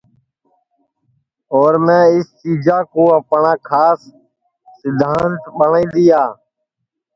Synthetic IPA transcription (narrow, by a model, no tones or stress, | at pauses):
oːɾmẽːɪst͡ʃiːd͡ʒaːkoːəpɳãːkʰaːsː | ɪd̪ʱaːnt̪ɓəɳĩːd̪ɪjaː